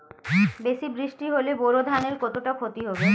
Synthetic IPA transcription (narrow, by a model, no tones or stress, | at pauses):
beʃibɾiʃʈiɦoleboɾod̪ʱaneɾkɔt̪oʈakʰot̪iɦobe